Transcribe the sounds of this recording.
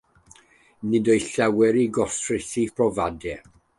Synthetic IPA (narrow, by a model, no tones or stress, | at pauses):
nɨdɔjɬɛwɛɾiɡɔstʰrɪθipʰrɔvadɛ